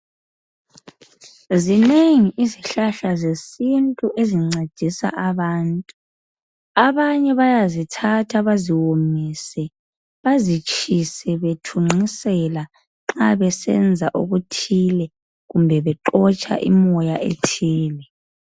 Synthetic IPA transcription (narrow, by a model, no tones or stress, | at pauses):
zineŋiʔiziɬaɬazesintʼuʔeziŋ͡ǀe̥d̥ʱisa̰ʔaβaːntʼu | aβaɲɛβajazitʰatʰaβaziwomisɛ | βazit͡ʃʰʼisɛβetʰuŋ͡ǀisɛla | ŋ͡ǁaβɛsɛ̰nd͡zʱaʔṵɣutʰilɛ | ɣumbʱɛβɛǃɔt͡ʃʼa̰ʔḭmɔjaʔḛtʰiːlɛ